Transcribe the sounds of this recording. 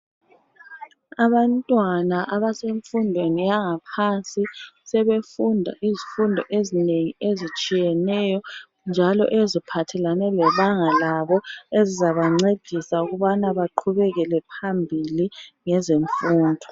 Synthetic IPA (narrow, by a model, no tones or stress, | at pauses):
aβantʼwanaʔaβaseɱfundʱwenijaŋapʰansʼisɛβefundʱa̰ʔizifundʱɔʔezineŋiezit͡ʃʼijɛnɛjɔ | nd͡ʒʱalɔ̰ʔezipʰatʰɛlanɛlɛβaŋalaβɔezizaβaŋ͡ǀed̥ʱisauɣuβanaβaǃʰuβɛɣɛlɛpʰambʱiliŋɛzeɱfuːndʱɔ